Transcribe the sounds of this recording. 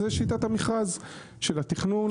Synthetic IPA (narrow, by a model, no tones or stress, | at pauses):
eʃit̪at̪hamiχaz | ʃelat̪iχnun